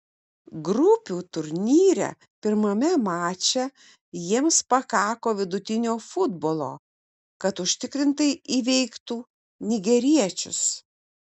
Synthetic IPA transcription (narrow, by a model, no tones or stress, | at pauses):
ɡɾʊpʲuːt̪ʊɾʲnʲiːɾʲɛ̰ | pʲɪɾmɐmʲɛmɑːt͡ʃʲɛ | jiɛmspɐkɑːkoːʋʲɪd̪ʊt̪ʲɪnʲoːfʊd̪boːlˠo̰ː | kɐt̪ʊʃʲt̪ʲɪkɾʲɪnt̪ɐɪʔiːʋʲɛɪkt̪uː | nʲɪɡʲɛɾʲiɛt͡ʃʲʊ̰s